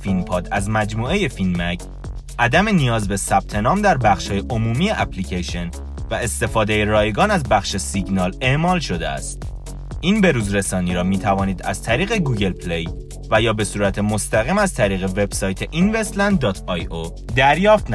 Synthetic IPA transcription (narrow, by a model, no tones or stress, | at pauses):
finpʰɒːd̪æzmæd͡ʒmuːe̞je̞finmæcʰ | ʔæd̪æme̞nijɒːzbe̞sæb̥̚t̪ʰe̞nɒːmd̪æɾbæxʃhɒːjeʔomuːmiːjeʔæpʰlicʰeʃe̞n | væe̞st̪e̞fɒːd̪ejeɾɒːjeɡɒːnæzbæxʃesiɡnɒːleʔmɒːlʃo̞d̪ḛæ̰st̪̚ | ʔiːnbe̞ɾuːzɾe̞sɒːniːɾɒːmiːt̪ʰævɒːniːd̪æ̰z̥t̪ʰæɾiːɣe̞ɡuːɡe̞lpʰlej | væjɒːbe̞suːɾæt̪ʰe̞most̪æɣiːmæzt̪ʰæɾiːɣe̞ve̞b̥sɒːjt̪ʰe̞ʔinvest̪lænd̪̚ːɒːt̪ʰɒjo | d̪æɾjɒːft̪n